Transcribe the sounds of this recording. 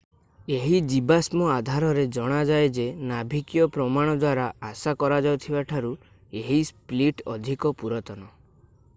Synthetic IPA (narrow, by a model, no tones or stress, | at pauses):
eɦid͡ʒibasmɔad̪ʱaɾɔɾed͡ʒɔɽ̃ad͡ʒajd͡ʒenabʱikjɔpɾɔmaɽ̃ɔd̪waɾaːsakɔɾad͡ʒawt̪ʰibaʈʰaɾu | eɦispliʈɔ̰d̪ʱikɔpuɾɔt̪ɔnɔ